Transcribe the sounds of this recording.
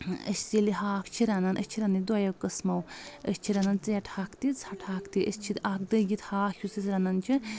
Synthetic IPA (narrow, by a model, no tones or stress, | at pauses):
ə̰sʲsiliɦaːkʰt͡ʃʰiɾananʔə̰sʲt͡ʃʰiɾɐnid̪wajɐwkɐsmɐwəsʲt͡ʃʰiɾɐnant͡sɨjɐʈʰaːkʰt̪it͡sʰɐʈʰaːkʰt̪iʔəsʲt͡ʃʰit̪ak̚d̪ɐɡit̪haːkʰjusisɾɐnant͡ʃʰi